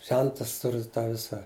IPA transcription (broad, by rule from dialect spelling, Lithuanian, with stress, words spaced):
ˈʒʲɛntɐs ˈtʊrʲɪ ˈtɑː ˈʋʲɪsɐ